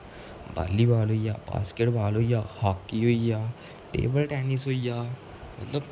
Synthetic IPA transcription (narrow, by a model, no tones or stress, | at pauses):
ba̰ːlːibaːloːija̰ːba̰ːskeʈbʱaːloːijaːhaːkːiɦoːijaː | ʈḛːbəlʈɛːnɪsɦoːijaː | mɐ̰t̪ləb